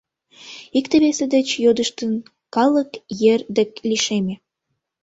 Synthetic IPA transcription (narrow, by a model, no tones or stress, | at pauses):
ikt̪eβesed̪ət͡ɕjod̪əʃt̪ən | kɑləkjerd̪ĕkliʃemʲe